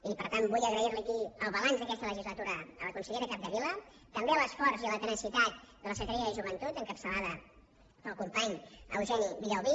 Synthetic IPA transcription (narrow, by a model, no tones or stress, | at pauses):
ipəɾt̪ambuʎəɣɾəiɾliəkiəlˠβəlanzðəkɛst̪ələʒizlət̪uɾəːləkunsəʎeɾəkap̚d̪əβilə | t̪əmbeələsfɔɾzilət̪ənəsit̪at̪̚d̪ələsəɣɾiəðəʒuβənt̪ut̪əŋkəpsəlaðə | pəlˠkumpaɲə̰wʒɛniβiʎəwβi